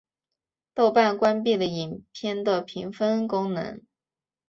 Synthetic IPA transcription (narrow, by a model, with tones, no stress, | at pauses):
t̪o˥˧ʊpa˥˩nkwa˥npi˥˩d̪ə˩i˨˩npʰjɛ˥˩nd̪ə˨pʰi˧˥ŋfə˥nkʊ˥ŋnɤ̰˧˥ŋ